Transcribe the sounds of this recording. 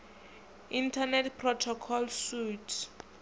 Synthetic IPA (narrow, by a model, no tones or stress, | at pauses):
intʰanɛtpʰrɔtʰɔkʰɔlsutʰ